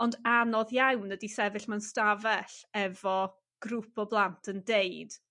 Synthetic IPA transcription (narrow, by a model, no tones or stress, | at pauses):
ɔndanɔðjawnːədisɛvɪɬmanstavɛɬɛvɔ | ɡ̥rʊpʰɔblˠantʰəndejd̥